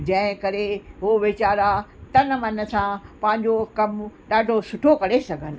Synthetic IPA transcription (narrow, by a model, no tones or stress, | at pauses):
d͡ʑɐ̃ɦɪ̃kɐɾeɦoʋɪt͡ɕaːɾat̪ɐnmɐnə̆sãpɐ̃ɦɪ̃ɲd͡ʑokɐmɗaːɖʱosʊʈʰokɐɾesɐɡʱənɪ̆